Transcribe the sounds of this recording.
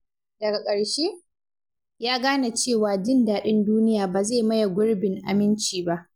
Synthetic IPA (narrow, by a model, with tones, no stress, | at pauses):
dɐ˨ɡa˨kʼɐ˨ɽʃeː˦ | jaː˦ɡaː˦na˨t͡ʃeː˦˨waː˨d͡ʒɪ˦ndaː˨ɗɪ˦nduː˦nɪ˦jaː˨baː˨ze˦˨mɐ˦ja˨ɡʷʊ˦ɽbɪ˨ŋʔa̰˨mɪ˦nt͡ʃiː˨ba˦ʔ